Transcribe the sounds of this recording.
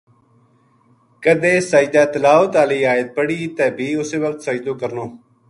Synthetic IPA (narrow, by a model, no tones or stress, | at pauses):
kəd̪eːsaːd͡ʒd̪aːt̪əlaːət̪aːliːaːjət̪̚pəɽiːt̪ɛːbʱiːʊseːʋək̚t̪səd͡ʒd̪oːkəɾnoː